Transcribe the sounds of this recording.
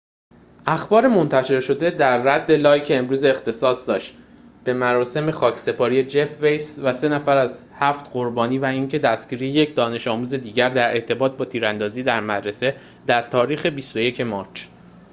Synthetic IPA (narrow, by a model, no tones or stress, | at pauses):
ʔæxbɒːɾe̞mo̞nt̪ʰæʃe̞ɾʃo̞d̪e̞d̪æɾːæd̪ːe̞lɒːjcʰeːmɾuːzeːxt̪ʰe̞sɒːsd̪ɒːʃt̪ | b̥e̞mæɾɒːse̞me̞xɒːcʰse̞pʰɒːɾije̞d͡ʒe̞fve̞jsvæse̞næfæɾæz | hæft̪ɢoɾbɒːniːvæiːŋcʰe̞d̪æsɟ̥iːɾijeje̞cʰd̪ɒːne̞ʃɒːmuːze̞d̪iːɟæɾd̪æɾʔe̞ɾt̪ʰe̞bɒːt̪̚ʰbɒːt̪ʰiːɾænd̪ɒːziːd̪æɾmæd̪ɾe̞se̞ | d̪̥æɾt̪ʰɒːɾiːxe̞bist̪oje̞cʰe̞mɒːt͡ʃʰ